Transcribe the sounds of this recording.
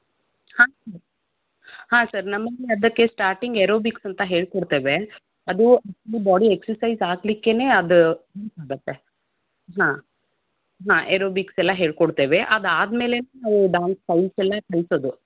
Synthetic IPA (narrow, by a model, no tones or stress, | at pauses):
hãːsɐɾ | hãːsɐɾnɐmːɐɡiɐd̪ɐkːe̞sʈaːɾʈiŋɡeɾoːbiksɐnt̪ɐɦeːɭkoɽt̪eːʋe | ɐd̪uɐkt͡ʃɐlibaːɖieksɐɾsɐjzaːɡlikːe̞ne̞ːɐd̪uɦesaːɡɐt̪ːe | ɦãː | ɦãːʔeɾoːbiksɛlːɐɦeːɭkoɽt̪eːʋeʔɐd̪aːd̪me̞ːle̞nenaːʋuɖaːnspɐjsɛlːɐkɐɭsoːd̪u